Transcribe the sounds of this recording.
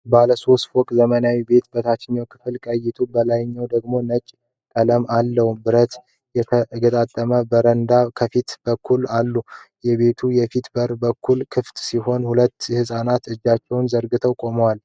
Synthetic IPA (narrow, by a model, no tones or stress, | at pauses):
baləso̞st̪fokʼzəmənawibe̞t̪bət̪ʰat͡ʃːɪɲːawkʰɨ̥fɨlkʼəjɪt̪ʰubəlajɪɲːawd̪əɡmo̞nət͡ʃʼː | kʼələmalːəhubɨɾət̪ | jɛəɡət̪ʼat̪ʼːəməbəɾənd̪akʰəfit̪b̥əkʰːulalːu | jɛβe̞t̪ʰujɛfit̪bəɾbəkʰːulkʰɨft̪siɦo̞nhulət̪ːhɨsʼanat̪ɨd͡ʒːat͡ʃːɛwnzəɾɡɨt̪ʰəwkʼo̞məwal